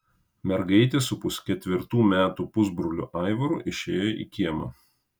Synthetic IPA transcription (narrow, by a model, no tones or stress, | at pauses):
mʲɛɾɡɐɪt̪ʲeːsʊpʊsʲkʲɛt̪ʲʋʲɪɾt̪uːmʲæːt̪upʊzbɾʊlʲʊʔɑˑɪʋɐɾʊʔɪʃʲeːjoʔḭːkʲiɛmɐ̰